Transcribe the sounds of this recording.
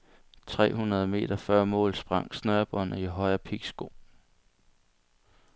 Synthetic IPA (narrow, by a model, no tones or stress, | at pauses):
t͡sʰʁɛ̰ːhunɐð̞ˠəme̝̰ːd̥ɐfɶɐmɔ̰̽ːlsb̥ʁɑ̈ŋ̰snœɐb̥ɒ̽n̰ɐiɦɒ̽ɪɐpʰiɡ̥sɡ̥o̝̰ː